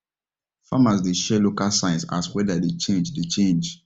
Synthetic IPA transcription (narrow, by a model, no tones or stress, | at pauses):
famasdeʃɛlokalsãɪ̃nsa̰swɛdadet͡ʃẽnd͡ʒdet͡ʃẽnd͡ʒ